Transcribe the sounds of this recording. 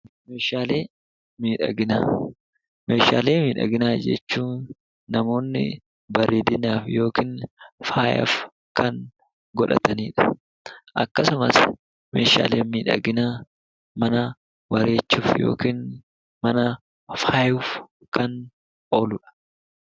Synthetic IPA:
meːʃaːle̞ː | miːᶑɐ̰ɡɪnaː | meːʃa̰ːle̞ːmiːᶑɐ̰ɡɪnaːd͡ʒɛ̰t͡ʃːuːnː | ɐmo̞ːnːɪ̰ | bɐɾeːd̪ɪnaːfjo̞ːkiːnfaːjɐ̰f | kɐŋ | ɡɔᶑɐ̰t̪ɐniːᶑɐ̥ | ʔɐkːɐsʊmɐs | mḛːʃa̰ːleːmiːᶑɐ̰ɡɪnaː | mɐnɐ | wɐɾeːt͡ʃːuːfjo̞̰ːkiːn | mɐnɐ | faːjuf | kɐn | o̞ːlʊᶑɐ̥

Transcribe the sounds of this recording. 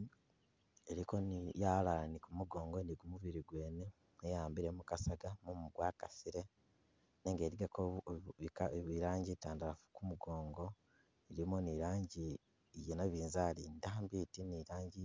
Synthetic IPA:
eɾiko̞nijalalanikumuɡo̞ːŋɡoniɡumuβiɾiɡwe̞ːne | ejaːmbiɾe̞mukasaɡamumuɡwaːkasiɾe̞ | neŋɡe̞ːɾiɡakoikaβiɾaːɲɟitaːndalafu̥kumuɡo̞ːŋɡo̞ | iɾimoniɾaːɲɟiː | jenaβiːnzalindambitiniɾaːɲɟi

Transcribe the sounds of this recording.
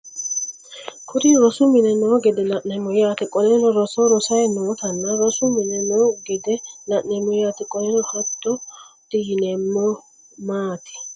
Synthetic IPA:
kʰʊd̪ɪɾɔsʊmɪnɛnoːɡɛd̪ɛnɐʔɛmɔjaːt̪ɪkʼɔlɛnɔɾɔsɔɾɔsɐjnoːt̪ɐnːɐɾɔsʊmɪnɛnoɡɛd̪ɛnɐʔːɛmɔjjaːt̪ɪkʼɔnɛnɔhɐt̪ʼːɔd̪̥ɪjɪnɛmːɔ | maːt̪ɪ̥

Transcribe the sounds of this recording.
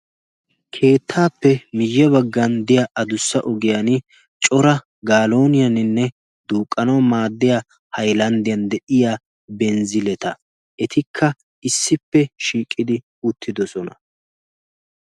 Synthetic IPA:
kʰe̞ːt̪ʰːaːpːɛmɪjːɛβɐɡːɐnd̪ɪjaʔɐd̪ʊsːɐʔɔɡɪjɐn | t͡ʃʼɔɾɐ | ɡaːlo̞ːnɪjɐnɪnːɛ | d̪̥uːkʼːɐnɐwmaːd̪ːɪja | hɐjlɐnd̪ɪjɐnd̪ɛʔɪjaː | bɛnzɪlɛt̪ɐ | ʔɛt̪ɪkʰːɐ | ɪsːɪpːɛʃiːkʼːɪd̪ɪ | ʊt̪ʰːɪd̪ɔsɔnɐ

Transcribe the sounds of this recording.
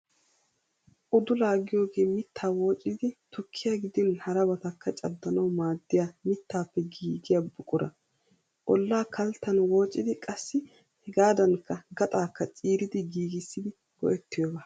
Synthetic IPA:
ʔʊd̪ʊlaːɡɪjo̞ːɡe̞ːmɪt̪ʰːaːwo̞ːt͡ʃʼːɪd̪ɪt̪ʊkʰːɪjaɡɪd̪ɪnhɐɾɐbɐt̪ɐkːɐt͡ʃʼɐd̪ːɐnɐwmaːd̪ːɪjaːmɪt̪ʰːaːpːɛɡiːɡɪjabʊkʼʊɾɐ̰ | ʔɔlːaːkʰɐlt̪ːɐnwo̞ːt͡ʃʼːɪd̪ɪkʼɐsːɪ | hɛɡaːd̪ɐnkːɐɡɐt̪ʼaːkːɐt͡sʼiːɾɪd̪ɪɡiːɡɪsːɪd̪ɪ | ɡ̥ɔ̰ʔɛt̪ːɪjoːba

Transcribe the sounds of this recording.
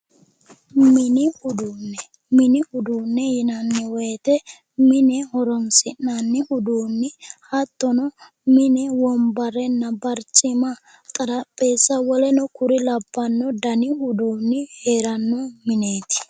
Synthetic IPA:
mɪnɪhʊd̪uːnːɛ | mɪnɪhʊd̪uːnːɛjɪnɐnːɪwet̪ɛ | mɪnɛhɔɾɔmsɪnːanːɪhʊd̪uːnːɪhɐt̪ːɔnɔ | mɪnɛwɔmbɐɾɛnːɐbɐɾt͡ʃʼːɪmɐ | t̪ʼɐɾɐpʼːeːsːɐwɔlɛnɔkʊɾɪlɐbːɐnːɔd̪ɐnɪhʊd̪uːnːɪheːɾɐnːɔmɪne̞ːt̪ɪ̥

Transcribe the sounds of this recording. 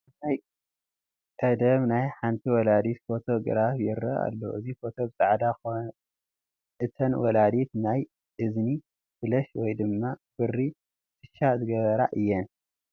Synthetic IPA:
aj | kʼɐd̪ɐβnajħant̪ʰiwɔlad̪it̪fo̞t̪ʰo̞ɡɾafjɛɾɐ̰a̰lːo̰ʔɨzifo̞t̪ʰo̞bɨsʼaʕd̪ako | ʔɨt̪ʰɐnwɔlad̪it̪naj | ʔɨzni | fɨlɐʃwɔjd̪ɨmːab̥ɨrːi | t̪ʰɨ̥ʃazɨɡɐβɐɾa̰ʔɨjːɛn

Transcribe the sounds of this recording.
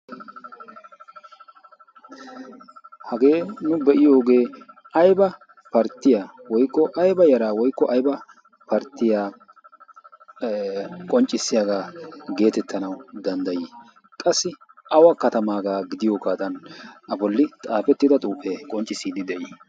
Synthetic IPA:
hɐɡe̞ːnʊbɛʔɪjo̞ːɡe̞ː | ɐjbɐ | pɐɾt̪ːɪjaːwɔjkːɔʔɐjbɐjɐɾaːwɔjkːɔʔɐjbɐ | pɐɾt̪ɪjaː | kʼɔnt͡ʃʼːɪsːɪjaɡaːɡe̞ːt̪ɛt̪ːɐnɐwd̪ɐnd̪ɐjiː | kʼɐsːɪ | ʔɐwɐkɐt̪ɐmaːɡaːɡɪd̪ɪjoːkaːd̪ɐnʔɐbɔlːɪt̪ʼaːfɛt̪ːɪd̪ɐt̪ʼuːfekʼɔnt͡ʃʼɪsiːd̪ɪd̪ɛʔiː

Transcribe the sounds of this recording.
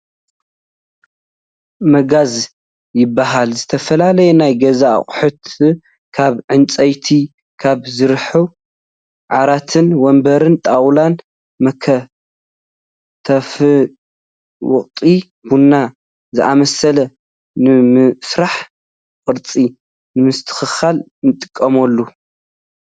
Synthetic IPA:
mɐɡaz | jɪbːaɦalzɨt̪ʰɐfɐlalɐjɛnajɡɐza̰χʼħʊt̪ʰ | kʰaβʕɨnt͡sʼɐjt̪ʰi | kʰaβzɨɾħu | ʕaɾat̪ʰɨnwɔmbɐɾɨnt̪ʼawlan | mɐkʰɐ | t̪ʰɐf | wɔχʼt̪ʼi | bunːa | zɨʔamɐsɐlɐ | nɨmsɾaħ | kʼɨɾt͡sʼi | nɨmɨst̪ʰɨ̥xɨxal | nɨt̪ʼɨ̥kʼːɐmɐlːu

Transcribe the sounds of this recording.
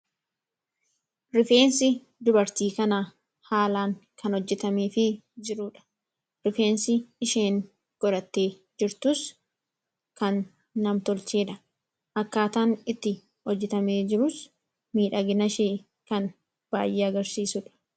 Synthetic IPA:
ɾɪfe̞ːnsɪ | d̪ʊbɐɾt̪iːkɐnɐ | haːlaːŋkʰɐnɔd͡ʒːɛt̪ɐmeːfɪd͡ʒɪɾʊᶑɐ̥ | ɾɪfe̞ːnsɪːʃeːŋ | ɡ̥ɔɾɐt̪ːe̞ː | d͡ʒɪɾt̪ʊs | kɐnː | ɐmt̪ɔlt͡ʃeːᶑɐ | ʔɐkːaːt̪aːnɪt̪ːɪ | hɔd͡ʒːɛt̪ɐmeːd͡ʒɪɾʊs | miːᶑɐɡɪnɐʃeː | kɐn | b̥aːjʔeːɐɡɐɾsiːsʊᶑɐ̥

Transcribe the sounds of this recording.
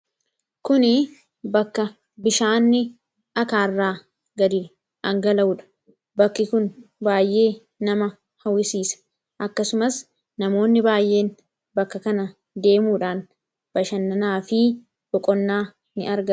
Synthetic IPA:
kʊnɪ | bɐkːɐ | bɪʃaːnːɪ | ʔɐkaːrːaː | ɡɐd̪ɪ | ʔɐŋɡɐlɐʊᶑɐ̥ | bɐkːɪkʊnbaːjʔe̞ː | nɐmɐ | hɐwɪsiːsɐ̥ | ʔɐkːɐsʊmɐs | nɐmo̞ːnːɪbaːjʔe̞ːn | bɐkːɐkɐnɐ | d̪e̞ːmuːᶑaːn | b̥ɐʃɐnːɐnaːfɪ | b̥ɔkʼɔnːaː | nɪ̰ɐɾɡɐ

